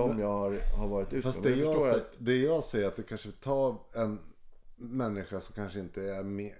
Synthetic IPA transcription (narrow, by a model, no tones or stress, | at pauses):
ɔmjɑːɡhaɾhaɾvɑːɾɪt̪ʉ̟ːfasd̪ɛjɑːɛd̪ɛjɑːsɛjːəɾat̪̚d̪ɛkʰanʂəvɪlt̪ʰɑːɛn | mɛnːɪɧasɔmkʰanʂəɪnt̪əæɾmeː